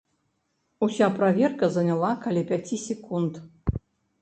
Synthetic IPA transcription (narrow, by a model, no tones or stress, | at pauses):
usʲapɾavʲerkɐzɐnʲalˠakalʲipʲat͡sʲisʲɛkunt̪